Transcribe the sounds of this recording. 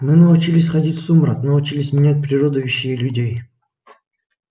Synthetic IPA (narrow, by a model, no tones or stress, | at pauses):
mɨnɐʊt͡ɕilʲɪsʲχɐdʲitʲsumɾat̪nɐʊt͡ɕilʲɪsʲmʲɪnʲæt̚ʲpɾʲɪrod̪əjuɕːɪjəlʲʉdʲej